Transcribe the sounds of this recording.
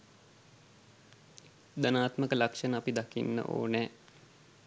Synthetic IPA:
d̪anaːt̪məkəlakʂənəɐpid̪akḭnːə̰ʔo̰ːnɛː

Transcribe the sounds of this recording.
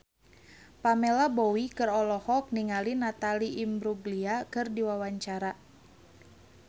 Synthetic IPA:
pamɛlabɔwikɨrɔlɔhɔk̚niŋalinat̪aliʔːmbɾuɡliakɨrdiwawaɲt͡ʃaɾa

